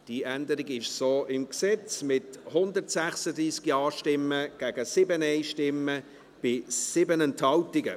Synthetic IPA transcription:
d̥iʔændəɾɪɡɪʃsoːʔɪmksɛt͡smɪthʊnd̪əɾtsæχsədɾiːskiɑːʃtɪmːəɡ̥æɡ̥əsɪbənɛɪʃtɪmːə | b̥ɪsɪbənɛnthɑwtɪɡə

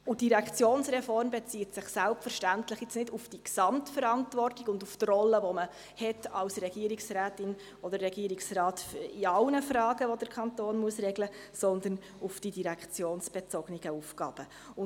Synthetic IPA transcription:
ʊd̥iɾækχt͡sjoːnsrɛfɔrmbɛt͡siːtsɪχsælpfəɾʃtæntləχjɪt͡snɪdufd̥iksɑmtfəɾɑntvɔrtɪɡʊnduftrɔlːəʋɔmə | hɛtɑlsrɛɡ̥iəɾiksræːtɪn | ɔd̥əɾːɛɡiəɾɪksrɑːtiɑlnəfrɑːɡəʋɔd̥əɾkʰɑnt̪oːnmuəsrɛɡlə | sɔnd̪ən | ufd̥idiɾækt͡sjoːnsb̥ɛt͡sɔɡniɡ̥əufkɑ̰ːb̥ə | ʊ

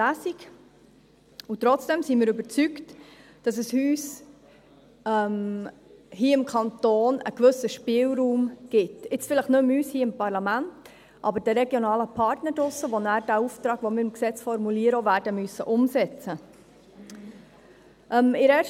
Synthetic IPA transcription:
æsik | ut̪ɾɔt͡sd̥ɛmsimɪːɾɵbəɾt͡sykt | d̥ɑsəshyːs | ɛm | hiːɪmkʰɑnt̪oːnə̰kʋɵsəʃpɪːlɾuːmɡ̥ɪtɪt͡sfɪləχnɵmyːshiːəɪmpɑɾlɑmænt | ʔɑ̰bəɾd̥ɛɾɛɡjonɑːləpʰɑɾtnədʊsːəʋonæːɾdæːuft̪ɾɑːɡ̥ʋomɪːɾɪmksɛt͡sfɔɾmuliːəɾəovæːɾdəmysːəʔʊmsɛt͡sə | ʔɛmɪɾɛː

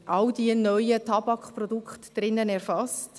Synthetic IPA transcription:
ʔɑwdiənœjətʰɑbɑkχprɔdukχtd̥ɾɪnːənɛɾfɑst

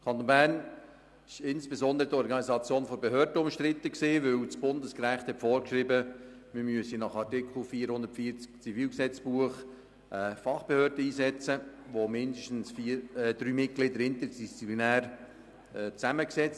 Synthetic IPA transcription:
kʰɑnt̪onbæːɾn | ɪʃɪnsb̥ezɔnd̪əɾədɔɾɡɑnizɑt͡sjoːnfɔbeɦøːɾdəʊmʃt̪ɾɪt̪ːəksiːʋɵwt͡sb̥ʊndəskɾæχthɛtfɔːɾkʃɾɪbəmɪɾmyəsinɑχɑrtɪkʰl̩fiːəɾhʊnd̪əɾtfiːt͡skt͡sifiːlksɛt͡sb̥uəχ | ʔɛːfɑχb̥ehøːɾdəiːsɛt͡səʋomɪnd̪əʃtn̩sfiːɾd̥̪ɾyːmɪt̚ɡ̥lɪd̪əɾɪnt̪ədist͡siplinæːɾ | ɛt͡sæməksɛt͡st

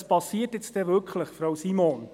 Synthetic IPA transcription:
spɑsiːtjɪt͡stɛvʏkʰləχfɾowsimon

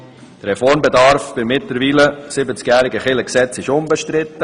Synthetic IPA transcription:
d̥əɾːɛfɔɾmbɛdɑɾfb̥ɪɾmɪtləɾviːləsɪbət͡skjæːɾɪɡəχɪləksɛt͡sɪʃʊmbəʃtɾɪt̪ːə

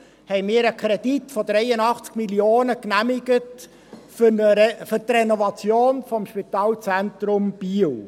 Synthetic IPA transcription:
hɛɪmɪːɾəkʰɾɛd̥itfɔd̪ɾɛjənɑχt͡skmiljoːnəknæmɪɡət | fəfʏɾtrenɔvɑt͡sjoːnfɔmʃpit̪ɑːlt͡sɛnt̪ɾʊmb̥iːl

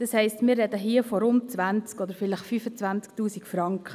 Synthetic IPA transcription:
d̥ɑshɛɪstmɪːɾːɛd̪əɦiəfɔɾʊnt̚t͡sʋænt͡skɔd̪əɾfɪləχfyːfət͡sʋænt͡sk̚tuːsikfɾɑŋkχə

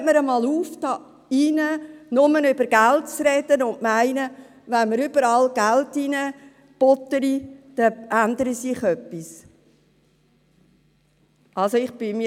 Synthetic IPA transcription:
məɾəmɑːluːfd̥ɑ | inənʊmənʏbəɾɡ̥æltt͡sɾɛd̥ənʊnʔmæɪnə | ʋænməɾʏbəɾɑlɡ̥æltinə | b̥ɔt̪əɾid̥ɛænd̪əɾisɪχœpːis | ʔɑlsoɪχb̥ɪmi

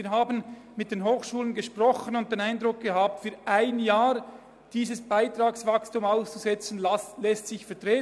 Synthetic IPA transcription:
iːɐɦaːbən | mɪt̚d̥eːnɦoːxʃuːlənɡəʃprɔχənʊnt̚d̥eːnaɪndʁʊk̚ɡ̥əɦaːp̚tfyːɾʔaɪnjaːɾ | d̥iːzəsb̥aɪtɾaːksvakstumaʊst͡suzɛt͡sn̩llɛstsɪçfɛɐtʁeː

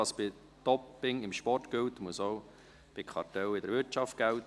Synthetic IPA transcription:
ɑsb̥ɪ | d̥̪ɔpːɪŋɪmʃpɔrtɡ̥ʏwtmusoʊ | b̥ɪkʰχɑɾtɛwɪdəɾʋɪɾtt͡ʃɑft̚ɡ̥æwt

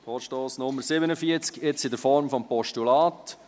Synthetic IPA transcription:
foːʃtoːsnʊmːəɾsɪbənəfiət͡skɪt͡sɪdəɾfɔɾmfɔmpɔʃtulaːt

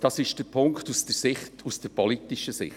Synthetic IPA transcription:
d̥ɑsɪʃd̥əɾpʰʊŋktusd̥əɾsɪχtusd̥əɾpʰɔlitɪʃəsɪ̰χ

